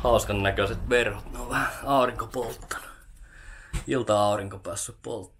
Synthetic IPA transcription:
hɑˑuskɑnnækøset̪ʋerhot̪neoʋʋæhæɑˑuriŋkopolt̪ːɑ̥nɑ̥ | ilt̪ɑɑˑuriŋkopæːsːyppo̰lt̪ː

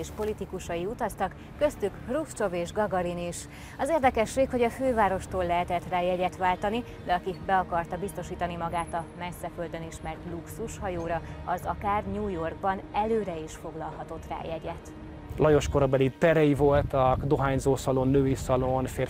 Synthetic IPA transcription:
eːʃpo̞lit̪ikuʃɒiut̪ɒst̪ɒkːø̞st̪ykrust͡ʃo̞veːʒɡɒɡɒɾiniʃ | ɒzeːrd̪ɛkɛʃreːkho̞ɟɒføːvaːɾo̞ʃt̪oːlːɛɦɛt̪ɛt̪raːjɛɟɛt̪ʋaːlt̪ɒni | d̪ɛɒkibɛɒkɒrt̪ɒbist̪o̞ʃiːt̪ɒnimɒɡaːt̪ɒmɛsːɛfø̞ld̪ø̞niʃmɛrt̪luksuʃhɒjoːɾɒɒzɒkaːrɲuːjo̞rɡ̚bɒnɛløːɾɛiʃfo̞ɡlɒlɦɒt̪o̞t̪ra̰ːjɛɟɛt̪ | lɒjo̞ʃkoɾɒbɛlit̪ɛɾɛjivo̞lt̪ɒkd̪o̞ɦaːɲzoːsɒlonːøːisɒlonfeː

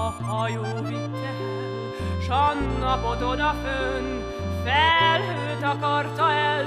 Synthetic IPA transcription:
ɒjoːʋitːɛ | ʃɒnːɒpod̪od̪ɒføn | fɛlːøːt̪ɒkɒrt̪ɒɛl

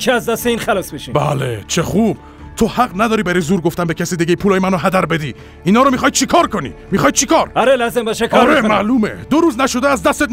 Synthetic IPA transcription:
eæzd̪æst̪eiːnxælɒːsbeʃibæ̰let͡ʃʰeχub̥ | t̪ʰohæɣnæd̪ɒːɾiːbæɾɔjzuːɾɡo̞ft̪æmbecʰæsiːd̪eɟejipʰuːlɒːjemænoɦæd̪æɾbed̪iː | iːnɒːɾomixɒːj̪̚t͡ʃʰikʰɒːɾkʰo̞nḭːmiχɒːjit͡ʃʰikʰɒːɾɒɾelɒːzembɒːʃekʰɒɒɾemæluːmḛd̪oɾuːznæʃo̞d̪eæzd̪æst̪et̪

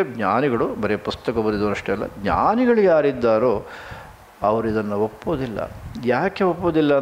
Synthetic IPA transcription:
ɡɲaːniɡɐɭubɐɾepust̪ɐkɐbɐd̪id̪ɐʋɐɾɐʂʈeɛlːɐ̰ɡɲa̰ːniɡɐɭiɡaːɾid̪ːaːɾoː | ɐʋɐɾuid̪ɐnːɐopːoːd̪ilːɐ̰jaːkeopːoːd̪ilːɐ

